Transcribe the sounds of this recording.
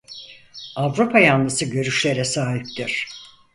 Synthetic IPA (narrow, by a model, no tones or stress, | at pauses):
avɾupʰajanːɯsɯɟø̞ɾyʃlʲe̞ɾɛsaːɦip̚t̪iɾ̥